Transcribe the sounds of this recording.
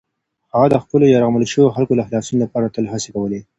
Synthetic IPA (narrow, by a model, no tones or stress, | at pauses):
haɣad̪əxpəlojɑɾaɣmələʃəwoxalkolaxlɑsunolapɑɾat̪əlɦasekawəle